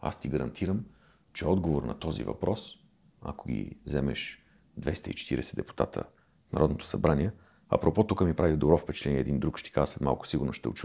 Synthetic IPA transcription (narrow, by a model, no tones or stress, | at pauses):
a̰st̪iɡəɾɐ̰nt̪ʰiɾəm | t͡ʃɛɔd̪ɡovoɾnɐt̪ɔzḭvɐ̰pɾɔs | ɐ̰koɡ̟ʲḭzɛmɛʃ | d̪vɛst̪əit͡ʃɛ̥t̪iɾɛsɛd̪ɛpu̥t̪a̰t̪ʰə̰ | t̪nɐ̰ɾɔd̪not̪o̥sɐbɾanʲiɛ | ɐ̰pɾɔpɔt̪ukəmipɾʔavid̪obɾɔfpɛt͡ʃɛ̥t̪lɛniɛːd̪ind̪ɾukʃt̪i̥kazəslɛt̪ma̰lˠkʊ̥siɡʊɾnoʃt̪ɛ̰ʊt͡ʃu